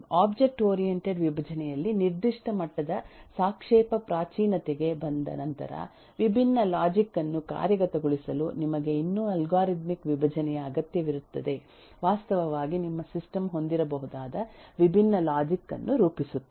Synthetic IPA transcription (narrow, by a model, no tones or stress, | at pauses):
aːbd͡ʒe̞k̚ʈoːɾijeɳʈeɖʋibʱɐd͡ʒɐnɛjɐlːiniɾd̪iʂʈɐmɐʈːɐd̪ɐsaːkʂɛːpɐpɾaːt͡ʃiːnɐt̪eɡe̞bɐnd̪ɐ̰nɐnt̪ɐ̰ɾɐ̰ | ʋibʱinːɐlaːd͡ʒikːɐnːuka̰ːɾjɐɡɐt̪ɐɡuɭisɐlunimɐɡe̞inːuːɐlɡaːɾit̪mikʋibʱɐd͡ʒɐnɛjɐːɡɐt̪jɐʋiɾut̪ːɐd̪e̞ | ʋaːst̪ɐʋɐʋaːɡinimːɐsisʈɐmɦo̞nd̪iɾɐbɐɦud̪aːd̪ɐʋibʱinːɐlaːd͡ʒikːɐ̰nːuɾuːpisut̪ːe